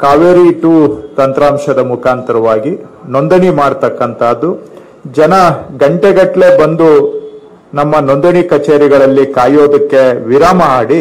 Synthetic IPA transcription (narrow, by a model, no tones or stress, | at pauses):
kaːʋeɾiʈuːt̪ɐnt̪ɾaːmʂɐd̪ɐmukʰaːnt̪ɐɾɐʋaːɡinond̪ɐɳimaːɽt̪ɐkːɐnt̪ʰaːd̪ːu | d͡ʒɐnɐɡɐɳʈeɡɐʈːle̞bɐnd̪u | nɐmːɐnond̪ɐɳikɐt͡ʃeːɾiɡɐɭɐlːikaːjo̞ːd̪ɐkːe̞ʋiɾaːmɐaːɽi